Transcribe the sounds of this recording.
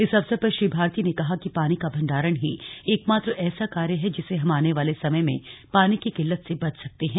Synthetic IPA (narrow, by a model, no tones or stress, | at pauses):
ɪsɐbsəpɐɾʃibʱaːɾt̪inekɐɦakipaːnikabʱɐ̃ɳɖaːɾəɽ̃ɦieːkmaːt̪ɾʔɛːsakaːɾjəɦɛd͡ʒɪseɦɐmaːneʋaːlesɐməjmḛ̃paːnikikɪlːət̪sebɐt͡ʃsɐk̚t̪eɦɛ̃ː